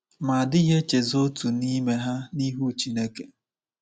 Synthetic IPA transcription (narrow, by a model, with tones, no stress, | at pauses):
ma˨a˨dɪ˦ɦe˦t͡ʃe˨zo˦tu˨ni˦me˦ɦa˦ni˦ɦu˦t͡ʃi˦ne˦ke˨